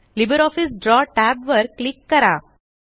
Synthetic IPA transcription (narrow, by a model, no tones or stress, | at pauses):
libəɾɔfisɖɾɔʈæbʋəɾklikːəɾa